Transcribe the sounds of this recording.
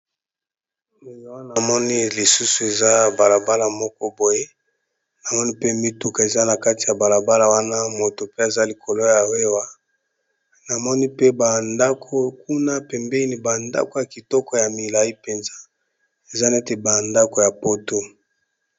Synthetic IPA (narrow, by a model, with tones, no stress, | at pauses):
ne˨na˨wa˦na˨mɔ˦ni˦li˨su˦su˨e˨za˦ba˨la˨ba˦la˨mɔ˦kɔ˦bo˨je˦ | na˨mɔ˦ni˦pe˦mi˦tu˨ka˨e˨za˦na˨ka˦ti˨ja˨ba˨la˨ba˦la˨wa˦na˦mo˨to˨pe˦a˨za˦li˨kʰo˨lo˦ja˨we˦wa˦ | na˨mɔ˦ni˦pe˦ba˨nda˦kʰo˦k̚u˦na˦pɛ˨mbe˦i˦ni˦ba˨nda̰˦ko˨ja˨ki˨tɔ˦kɔ˨ja˨mi˨la˨i˦pe˨nza˦ | e˨za˦nɛ˦te˨ba˨nda˦ko˨ja˨po˦to˦